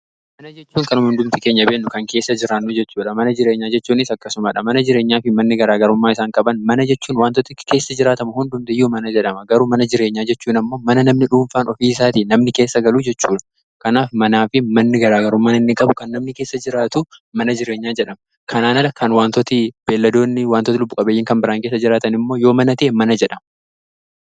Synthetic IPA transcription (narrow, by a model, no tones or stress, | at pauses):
mɐnɐd͡ʒɛt͡ʃːuːŋkɐnʊmhʊnd̪ʊmt̪ɪke̞ːɲːɐbeːnːʊkɐŋke̞ːsːɐd͡ʒɪɾaːnːud͡ʒɛt͡ʃːuːᶑɐmɐnɐd͡ʒɪɾe̞ːɲːaːd͡ʒɛt͡ʃːuːnɪsɐkːɐsʊmaːᶑɐmɐnɐd͡ʒɪɾe̞ːɲːaːfɪmɐnːɪɡɐɾaːɡɐɾʊmːaːɪsaːŋkʼɐbɐnmɐnɐd͡ʒɛt͡ʃːuːnwaːnt̪ɔt̪ɪke̞ːsːɐd͡ʒɪɾaːt̪ɐmʊhʊnd̪ʊmt̪ɪjːuːmɐnɐd͡ʒɛᶑɐmɐɡɐɾumɐnɐd͡ʒɪɾe̞ːɲːaːd͡ʒɛt͡ʃːuːnɐmːo̞ːmɐnɐnɐmnɪᶑuːɱfaːnʔɔfiːsaːt̪iːnɐmnɪkeːsːɐɡɐluːd͡ʒɛt͡ʃːuːᶑɐ̥ | kɐnaːfmɐnaːfɪmɐnːɪɡɐɾaːɡɐɾʊmːaːɪnːeːkʼɐbʊkɐnːɐmnɪkeːsːɐd͡ʒɪɾaːt̪ʊmɐnɐd͡ʒɪɾe̞ːɲːaːd͡ʒɛᶑɐmɐ | kʰɐnaːnɐlɐkʰɐnwaːnt̪ɔt̪ɪb̥eːlːɐd̪o̞ːnːɪwaːnt̪ɔt̪ɪlʊbːʊkʼɐbeːjːɪŋkɐmbɪɾaːŋkeːs̬ːɐd͡ʒɪɾaːt̪ɐnɪmːoːjo̞ːmɐnɐt̪eʔemɐnɐd͡ʒɛᶑɐmɐ